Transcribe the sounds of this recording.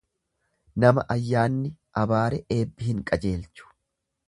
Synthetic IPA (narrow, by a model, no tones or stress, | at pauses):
nɐmɐ̰ʔɐjːaːnːɪʔɐbaːɾɛʔe̞ːbːɪhɪŋkʼɐd͡ʒe̞ːlt͡ʃʊ̥